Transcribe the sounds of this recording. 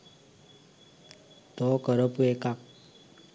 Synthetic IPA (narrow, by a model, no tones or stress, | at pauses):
t̪ɔkəɾəpuekak̚